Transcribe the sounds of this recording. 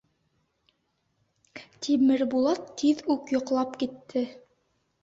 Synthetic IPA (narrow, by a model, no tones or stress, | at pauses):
t̪ʰimɘɾbulˠɑt̪ʰːiðʉkjŏqlˠɑpkit̪ːɘ